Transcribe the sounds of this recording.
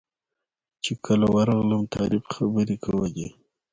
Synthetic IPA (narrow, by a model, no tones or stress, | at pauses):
t͡ʃekʰəlawaɾɑɣləmt̪ʰɑɾɪbxabəɾikʰawaɡḛ